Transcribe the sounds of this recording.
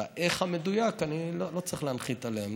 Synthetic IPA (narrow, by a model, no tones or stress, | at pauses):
aʔeχhame̞d̪ujakanilolo̞t͡saʁiχleanχit͡saleem